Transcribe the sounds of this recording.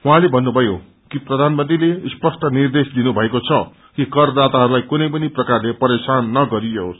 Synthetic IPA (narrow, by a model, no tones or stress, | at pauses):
wɦãlebʱʌnːubʱʌjo | kiprʌd̪ʱanmʌnt̪rilespʌsʈʌnird̪esd̪inubʱʌekot͡sʰʌ | kikʌrd̪at̪aɦʌɾulajkunʌjpʌniprʌkarlepʌɾesanːʌɡʌɾijo